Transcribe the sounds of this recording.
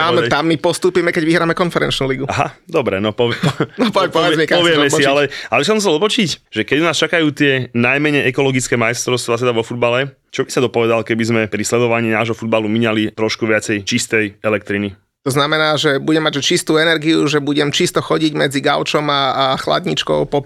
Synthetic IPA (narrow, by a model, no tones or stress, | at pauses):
at̪amːipɔst̪uːpiːmɛkɛɟʋiɦɾaːmɛkɔnfɛɾɛ̰nt͡ʃnuːliɡuaɦa̰d̪ɔbɾɛ̰nɔpɔʋɛnɔpɔpɔʋɛd͡zmikpɔʋɪɛmɛsialɛalɛbis̬ɔms̬ɛlɔpɔt͡ʃicʒ̥ɛkɛɟunaːst͡ʃakajuːt̪ɪɛnajmɛɲɛjʔɛkɔlɔɡit͡skɛmajst̪ɾɔʊst̪ʋaːt̪sɛd̪aʋɔfud̪̚balɛ | t͡ʃɔbi̥sad̪ɔpɔʋɛd̪alkɛbizmɛpɾislɛd̪ɔʋaɲiːnaːʒɦɔfud̪̚balumiɲalit̪ɾɔʃkuʋɪat͡sɛjt͡ʃist̪ɛjɛlɛk̚t̪ɾini | t̪ɔznamɛnaːʒɛbuɟɛmaɟʒɛt͡ʃist̪uːɛnɛɾɡiuʒɛbuɟɛmt͡ʃist̪ɔxɔɟiɟmɛd͡ziɡa̰ʊt͡ʃɔmaxla̰d̪ɲit͡ʃkɔ̰ʊpɔ